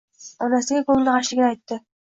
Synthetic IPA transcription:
ɒnasɪɡʲaɡolˠnqaʃɪɡʲɪnajt̪ːɪ

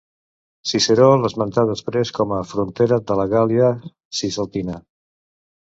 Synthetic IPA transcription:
siseɾoləzmənt̪aðəspɾeskɔməfɾunt̪eɾəd̪ələɣaliə | sisəlˠt̪ina

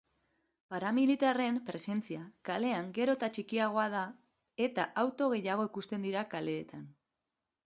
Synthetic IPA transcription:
paɾamilit̪are̞mpɾe̞se̞nt͡siakale̞aŋɡe̞ɾo̞t̪at͡ʃikiaɣ̞o̞að̞a | e̞t̪aʔawt̪o̞ɣ̞e̞jaɣ̞o̞ikust̪e̞nd̪iɾakale̞ːt̪ʰan

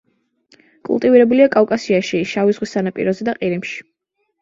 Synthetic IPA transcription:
kʼṵlˠt̪ʼiviɾɛbuliakʼawkʼasiaʃiʃavizʁwisanapʼḭɾɔzɛd̪aqʼiɾimʃi̥

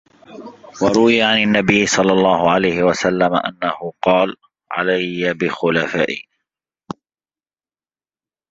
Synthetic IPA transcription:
wɑɾˤʊwɪjaʕanɪnːabɪjːsˤɑlːɑlˤːɑːhʊʕalajhɪwasalːama̰ʔa̰nːahʊqɑːl | ʕa̰lajːabɪxʊlafaːʔɪ̰

